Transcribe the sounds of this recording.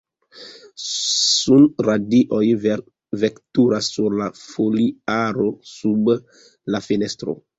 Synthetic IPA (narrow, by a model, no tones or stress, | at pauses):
sunɾadiʔo̞j | ve̞ktuɾasːuɾlafoliaɾo̞sub | lafine̞stɾo̞̰